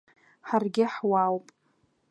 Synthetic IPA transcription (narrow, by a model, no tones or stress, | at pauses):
ħarɡʲɪħwawpʼ